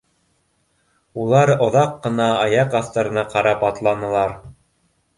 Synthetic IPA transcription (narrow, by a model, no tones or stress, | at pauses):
ulˠɑɾŏðɑqːɤ̆nɑːjɑqɑft̪ŏɾɤ̆nɑqɑɾɑpɑt̪lˠɑnɤ̆lˠɑɾ